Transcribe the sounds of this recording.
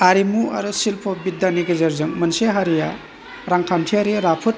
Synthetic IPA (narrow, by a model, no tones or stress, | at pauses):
aɾimua̰ɾusilpʰɔbidːaniɡɯzɐɾzɯŋmɐnseɦaɾija̰ | ɾaŋkʰamtʰiaɾiɾapʰɯt̚